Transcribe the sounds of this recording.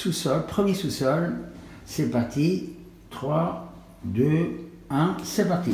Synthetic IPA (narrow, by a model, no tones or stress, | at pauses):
susɔlpχəmjesusɔl | sepaʁt̪ʰi | t̪χwa | d̪ø | ɛ̃sɛpaʁt̪i